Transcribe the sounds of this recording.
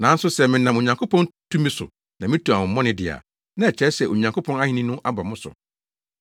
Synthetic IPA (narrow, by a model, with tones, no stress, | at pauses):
nã˨˦n̩˦sʊ˦sɛ˨mɪ̃˨nã˨mo˨ɲã˨ŋkʰo˦pɔ̃˦ntʰu˦mĩ˦sʊ̰˨ | nã˨mɪ̃˦tʰu˨a˨wʊ̃˨mː˦ɔ̃˦nɪ̃˦dɪ˨a̰˨ | nã˦ɛ˨t͡ɕʰɛ˦sɛ˨o˨ɲã˨ŋko˦pʰɔ̃˦na˦hĩ˦nĩ˦nʊ̃˦ʔa˦ba˨mʊ̃˦sʊ̰˨